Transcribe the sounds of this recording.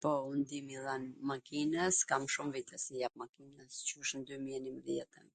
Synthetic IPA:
pɔund̪imilanmakinəskamʃumvit̪ɛsijap̚makinəscuʃnd̪ymiɛnimðjɛt̪əm

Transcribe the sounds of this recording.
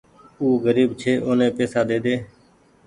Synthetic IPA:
uːɡəɾiːbt͡ʃʰeːʔoːnẽːpeːsaːɗ̪eːd̪eː

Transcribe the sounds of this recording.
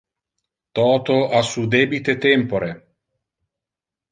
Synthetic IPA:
t̪ɔːt̪oasud̪eːbit̪et̪ɛmpoɾe

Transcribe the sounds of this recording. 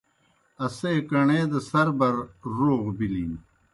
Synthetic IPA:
ɐseːkɐɳeːd̪ɐsɐɾbɐɾɾoːɣbiliːn

